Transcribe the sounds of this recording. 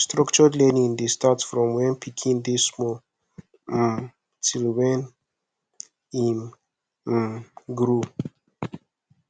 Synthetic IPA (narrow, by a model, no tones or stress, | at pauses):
stɾɔkt͡ʃədlɛnĩnd̪istatsfɾɔ̃mwɛ̃npʰikʰĩnd̪ismo | silwɛn | in | ɡɾu